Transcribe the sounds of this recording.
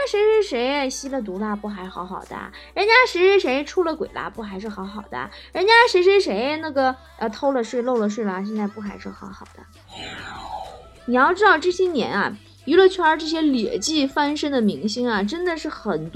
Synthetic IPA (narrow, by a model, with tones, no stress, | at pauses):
a˥ʂe˧˥ʂɻ̩˧˥ʂe˧˥ɪ˧˩ɕi˥lə˨t̪̬u˧˥la˧pu˥˩xa˧˥ɪʂxɑ˧˥ʊxɑ˨˩ʊd̪̥ə̰˦˧ɻə˧˥nt͡ɕja˥ʂɻ̩˧˥ʂɻ̩˥˩ʂe˧˥ɪ˧ʈ͡ʂʰu˥lə˨kwe˨˩ɪla̰˧˥pu˥˩xa˧˥ɪʂɻ̩˥˩xɑ˧˥ʊxɑ˨˩ʊd̪ə̰˦˧˩ɻə˧˥nt͡ɕja˥ʂe˧˥ɪʂ̬ɻ̩˧˥ʂe˧˥ɪ˧na˥˩ɡə˩ | ə˧t̪ʰo˥ʊlə˨ʂɻ̩˥˧lo˥˩ʊlə˩ʂ̬ɻ̩˥˩lə˨˩ɕ̬jɛ˥˧nt͡sa˥˧ɪpu˥˩xa˧˥ɪʂɻ̩˥˩xɑ˧˥ʊxɑ˨˩ʊd̪ə̰˦ | ni˨˩jɑ˥˩˧ʊʈ͡ʂɻ̩˥t̪ɑ˥˧ʊʈ͡ʂɤ˥˩ɕjɛ˥njɛ̰˧˥nɐ̰˧ | y˧˥lə˧t͡ɕʰy˥ə˞˧˥ʈ͡ʂɤ˥˩ɕ̬jɛ˥ljɛ˨˩t͡ɕi˥˩fa˥nʂə˥nd̪ə˨mi˧˥ŋɕi˥ŋɐ˨ʈ͡ʂə˥nd̪ə˨ʂɻ̩˥˩xə˨˩nt̪